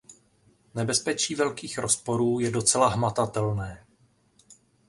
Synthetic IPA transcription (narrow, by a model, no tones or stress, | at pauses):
nɛbɛspɛt͡ʃiːvɛlkiːxɾo̞spo̞ɾuːjɛdo̞t͡sɛlaɦmat̪at̪ɛlnɛː